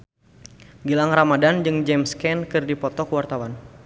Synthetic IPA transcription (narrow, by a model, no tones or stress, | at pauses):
ɡilaŋramadand͡ʒɨŋd͡ʒɛmskɛnkɨrdipɔt̪ɔkəwart̪awan